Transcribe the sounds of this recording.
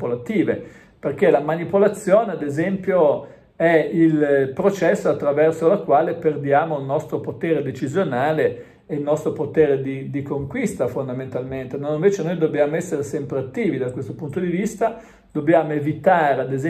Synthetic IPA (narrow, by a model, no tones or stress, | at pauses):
polat̪iːve | perk̟elamanipolat̪sːjoːnead̪ezɛmpjo | ɛilpɾot͡ʃɛsːoat̪ːɾavɛrsolakːwaːleperd̪jaːmoilnɔst̪ɾopot̪eːɾed̪et͡ʃizjonaːleː | ilnɔst̪ɾopot̪eːɾed̪id̪ikoŋkwist̪afond̪ament̪alment̪enaĩɱveːt͡ʃenojd̪obːjaːmoɛsːeɾesɛmpɾeat̪ːiːvid̪akwest̪opunt̪od̪ivist̪a | d̪̥obːjaːmoevit̪aːɾead̪ez